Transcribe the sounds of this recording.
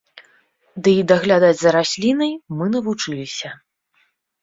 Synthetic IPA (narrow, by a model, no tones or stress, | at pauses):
d̪ɨid̪ɐɣlʲad̪ad͡zʲzɐɾasʲlʲinɐjmɨnɐvut͡ʂɨlʲisʲɐ